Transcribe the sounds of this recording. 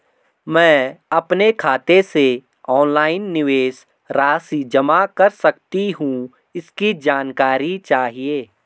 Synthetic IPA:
mɛ̃ːɐpnekʰaːt̪ese | ɔːnlaːɪnːɪʋeːs | ɾaːsid͡ʒɐmakɐɾsɐkt̪iɦũ | ɪskid͡ʒaːnkaːɾit͡ʃaːɦieː

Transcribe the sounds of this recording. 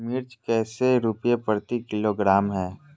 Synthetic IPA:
mɪɾt͡ʃkɛːseɾʊpjepəɾt̪ikɪloːɡɾaːmɦɛː

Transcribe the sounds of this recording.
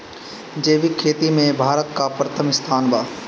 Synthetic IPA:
d͡ʒeːʋɪkʰeːt̪imẽbʱaːɾət̪̚kapɾət̪ʰəmɪst̪ʰaːnbaː

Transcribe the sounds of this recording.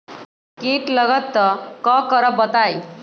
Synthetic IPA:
keʈləɡət̪ːəkɔkəɾəbət̪aj

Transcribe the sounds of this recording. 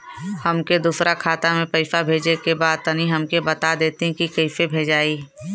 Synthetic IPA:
hɐmked̪uːsɾakʰaːt̪amẽpɐɪfabʱeːd͡ʒekebaːd̪̚t̪ɐniɦɐmkebɐt̪ad̪eːt̪eɦɛ̃kikəɪfebʱeːd͡ʒaːiː

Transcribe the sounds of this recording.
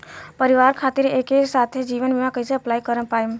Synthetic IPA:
pəɾɪʋaːɾkʰaːt̪ɪɾeːkesaːt̪ʰed͡ʒiːʋənbimãkɐiseɐplaːikəɾəpaːe

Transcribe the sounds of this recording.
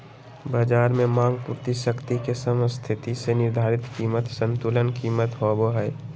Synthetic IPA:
baːd͡ʒaːɾmẽmãːŋɡpuːɾt̪iʃəkt̪ikesəməst̪ʰɪt̪isenɪɾd̪ʱaːɾɪt̪kiːmət̪sə̃nt̪ulənkiːmət̪ɦoboɦɛ

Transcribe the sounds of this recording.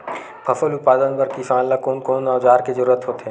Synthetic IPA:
pʰɐfəlʊt̪̚paːd̪ənbəɾkisãːllakoːnkoːnːaːʋd͡ʒaːɾkezəɾuːɾət̪ɦoːt̪ʰeː

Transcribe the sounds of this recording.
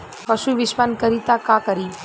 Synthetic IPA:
pɐʃuʋɪʃpənkəɾit̪akakəɾi

